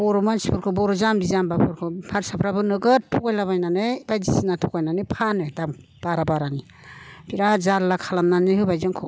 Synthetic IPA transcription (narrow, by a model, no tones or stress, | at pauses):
bɔɾɔmasi̥pʰɔɾkʰɯbɔɾɔzamdizambapʰɔɾkʰɯpʰaɾsapʰɾabɯnɯɡɯtʰɔkajlaβajnanɯjbajzisinatʰɔkajnanɯpʰanɯdam | b̥aɾabaɾani | bʰiɾazallakʰalamnanɯɦɯbajzɯŋkʰɔ